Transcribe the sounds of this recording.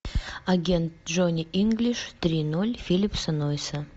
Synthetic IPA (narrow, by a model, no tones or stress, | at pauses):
aɡʲent̪̚ʐonʲiʔiŋɡlʲiʂt̪ɾʲinolʲfʲilʲipsənojsə